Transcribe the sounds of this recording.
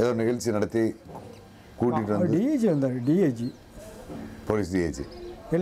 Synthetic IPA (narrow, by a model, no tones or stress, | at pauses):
eðoniɣɐlt͡ɕːɨnɐɽɐt̪ːi | kuːʈːiʈːɨʋɐnɖeːt͡ɕːiʋend̪aːnɨɖieːt͡ɕi | poːliːs̬ɖieːt͡ɕːɨ̰el